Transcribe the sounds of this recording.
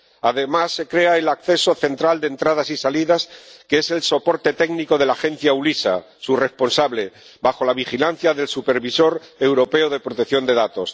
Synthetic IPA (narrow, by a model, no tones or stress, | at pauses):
aðe̞masːe̞kɾe̞aelakθe̞so̞θe̞nt̪ɾald̪ent̪ɾað̞asisaliðaskeese̞lso̞po̞ɾt̪e̞t̪e̞ɡniko̞ð̞e̞laxe̞n̟θjaulisa̰ | sure̞spo̞nsaβle̞ | baxo̞laβ̞ixilan̟θjaðe̞lsupe̞ɾβiso̞ɾe̞wɾo̞pe̞oð̞e̞pɾot̪eθjo̞nd̪e̞ðat̪o̞s